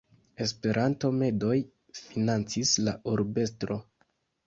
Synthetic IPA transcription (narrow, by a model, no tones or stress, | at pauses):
e̞spe̞ɾʔanto̞me̞do̞j | finant͡sislaʔuɾbe̞stɾo̞